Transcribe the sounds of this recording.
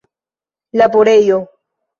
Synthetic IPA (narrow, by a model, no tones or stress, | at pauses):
lapoɾejo